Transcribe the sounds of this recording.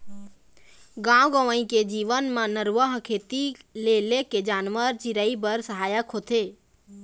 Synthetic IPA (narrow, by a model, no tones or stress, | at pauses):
ɡãːwɡəʋəĩked͡ʒiːʋənmãnəɾʋəɦkʰeːt̪ileleked͡ʒaːnʋəɾt͡ʃɪɾəibəɾsəɦaːjəkʰoːt̪ʰeː